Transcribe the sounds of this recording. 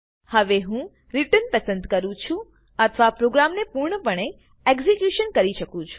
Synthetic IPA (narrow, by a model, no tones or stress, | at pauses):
həʋeɦũ | ɾiʈənpəsənd̪kəɾũt͡ʃʰũ | ət̪ʰəʋapɾoɡɾamnepuɾɳəpəɳ̃e | ekzikjuʃənkəɾiʃəkũt͡ʃʰu̥